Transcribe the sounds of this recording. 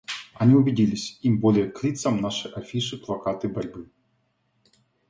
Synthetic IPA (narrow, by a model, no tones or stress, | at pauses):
anʲiubʲidʲilʲisʲimbɔlʲɛjɛklʲit̪sɐmnaʂɨjʔafʲiʂɨplˠakat̪ɨbaɾʲbɨ